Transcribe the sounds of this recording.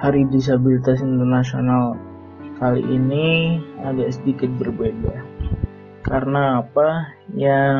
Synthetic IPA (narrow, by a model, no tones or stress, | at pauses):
haɾidis̬abilit̪as̬int̪ərnasional | kalḭʔːniaɡaʔsədikɪt̪̚bərbeda | karənaːpa | ja